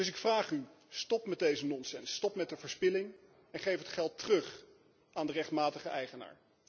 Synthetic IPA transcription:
dɵs̬ɪkfraːχy | stɔpmɛd̚ejzənɔnsɛnsːtɔpmɛtdəvəːɹspɪlɪŋ | ɛnχejfətχɛlˠtərɵχ | ʔaːndərɛχtmaːtəχəʔɛjχəna̰ːɹ

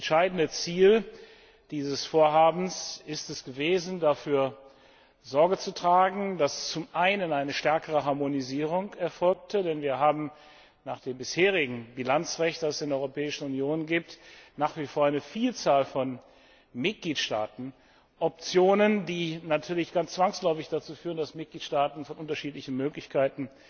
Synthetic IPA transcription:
ɛnʃaɪdn̩dət͡siːl | d̥iːzəsfoːɐɦaːbm̩sɪstɛsɡ̥əveːzn̩dafyːɐ | zɔɐɡət͡sutʁ̥aːɡŋ̩dast͡sʊmʔaɪnənaɪnəʃtɛɐkəʁəɦaɐmoniziːʁ̞ʊŋkɛɐfɔlk̚tʰədɛnviːɐɦaːbm̩ | naːχd̥eːmbɪsheːʁ̞ɪɡŋ̩bilant͡sʁɛçt̚d̥asɛsɪndɛʔɔʏʁopʰɛːɪʃn̩unjoːnɡiːp̚tnaːχv̥ifoːɐaɪnəfiːlt͡saːlfɔn | mɪt̚ɡ̥liːtʃta̰ːtn̩ | ʔɔp̚t͡sjoːnəndiːnatʰyːɐlɪçɡ̥ant͡st͡sv̥aŋslɔʏfɪçd̥at͡suːfyːʁəndasmɪt̚ɡ̥liːtʃtaːtn̩fɔnʔʊntɐʃiːtlɪçn̩møːklɪçkʰaɪtn̩

